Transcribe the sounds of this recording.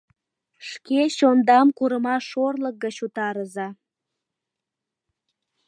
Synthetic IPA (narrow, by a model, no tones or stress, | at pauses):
ʃkeɕond̪ɑmkuɾəmɑʃorlək̚ɡət͡ɕut̪ɑɾəzɑ